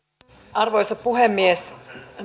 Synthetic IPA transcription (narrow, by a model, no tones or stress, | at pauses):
ɑrʋojsɑppuɦemːies